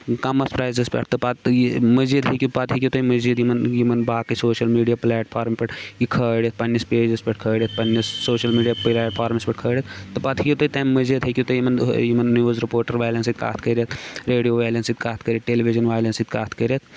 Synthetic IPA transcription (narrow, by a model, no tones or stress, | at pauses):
kɐmɐspɾaːjzespʲɐ̰ʈt̪ɨpɐt̪jmɐzid̪ɦekʲipɐt̪ʰɦikʲit̪oimɐziːd̪jimɐnjimɐnbaːkisoːʃɐlmiːɖijaplɛːʈpʰaːɾmpɐʈjikʰəːɽjɐt̪̚pɐnːispeːd͡ʒespɐʈ̚kʰəːɽʲit̪̚pɐnːisːoːʃɐlmiːɖijaplɛːʈ̚pʰaːɾmspɐʈ̚kʰəːɽjɐt̪t̪ɨpɐt̪ʰikit̪oit̪ammɐzid̪ɦekʲit̪ojimɐnjimɐnnijuzɾipoːɾʈɐɾʋaːlɐnsit̪̚ka̰ːt̪ʰkəɾɐt̪ɾeːɖijoːʋaːlɐnsit̪̚kaːt̪kəɾʲeʈeːlibid͡ʒɐnʋaːjlɐnsit̪̚kaːt̪ʰkəɾɐt̪̚